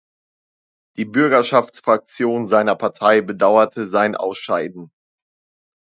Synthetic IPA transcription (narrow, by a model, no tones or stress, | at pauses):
d̥iːbʏɐɡɐʃaft͡sfʁ̥ak̚t͡sjoːnzaɪnɐpʰaɐtʰaɪbədaʊɐtʰəzaɪnʔa̰ʊsʃaɪdn̩